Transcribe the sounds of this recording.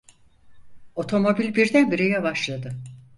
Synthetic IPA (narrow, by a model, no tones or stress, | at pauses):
o̞t̪ʰo̞mo̞bilʲbiɾd̪ænbiɾejɛbaʃlˠad̪ɯ